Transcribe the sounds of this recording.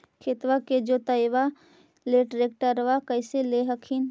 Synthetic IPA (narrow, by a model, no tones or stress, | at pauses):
kʰet̪ʋaked͡ʒot̪əjʋa | leʈɾek̚ʈəɾʋakəɪseleɦəkʰin